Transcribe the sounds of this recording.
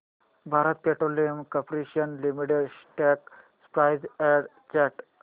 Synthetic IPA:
bʱaːɾət̪̚peʈɾolijəmkəpɾiʃiənlimiʈeɖsʈɛk | spɾaɪzɛɖ | t͡ʃɛʈ

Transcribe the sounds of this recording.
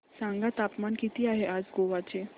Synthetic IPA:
sãŋɡat̪apmankit̪iaɦeʔaːd͡zɡoʋat͡ɕe

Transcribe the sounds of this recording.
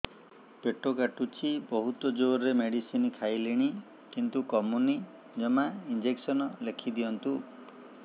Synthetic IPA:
peʈokaʈut͡ʃʰibɔɦut̪ɔd͡ʒoɾɾemeɽisinkʰajliɽ̃i | kint̪ukɔmuni | d͡ʒɔmaind͡ʒeksɔnɔlekʰid̪iɔnt̪u

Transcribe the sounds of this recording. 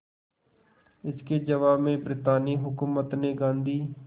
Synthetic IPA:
ɪsked͡ʒɐʋaːbmẽbɾɪt̪aːniɦʊkuːmət̪neɡãːnd̪ʱiː

